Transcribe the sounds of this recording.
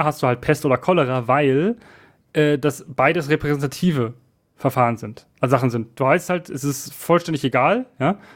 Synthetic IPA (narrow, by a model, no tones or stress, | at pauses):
ɦastd̥uːhalt̚pʰɛstʔoːdɐkʰɔləʁ̞avaɪl | ʔɛːdasb̥aɪdəsʁepʁ̥ɛzɛntatʰiːvə | fɛɐfaːʁənzɪntʔazaχn̩zɪnt̚d̥uːvaɪsthaltʰɛsɪstfɔlʃtɛndɪçeɡaːljaː